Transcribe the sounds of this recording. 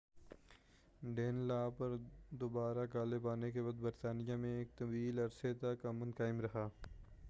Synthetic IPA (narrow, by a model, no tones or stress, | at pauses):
ɖeːnlaːpɐɾd̪oːbaːɾakaːlebaːnekebɐd̪bəɾt̪aːnijamẽeːk̚t̪ɐbiːlɐɾset̪ɐkɐmə̃nkaːɪmɾɐɦaː